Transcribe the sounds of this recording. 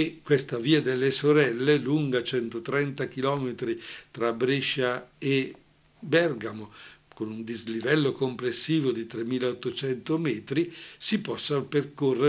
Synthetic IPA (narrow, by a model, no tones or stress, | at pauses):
ekːwest̪aviːad̪elːesoɾɛlːeluŋɡat͡ʃɛnt̪ot̪ɾɛnt̪ak̟ilɔːmet̪ɾit̪ɾabɾiʃːae | bɛrɡamokonund̪izlivɛlːokomplesːiːvod̪it̪ɾemːiːlaot̪ːot͡ʃɛnt̪omɛːt̪ɾisipɔsːaperkorːe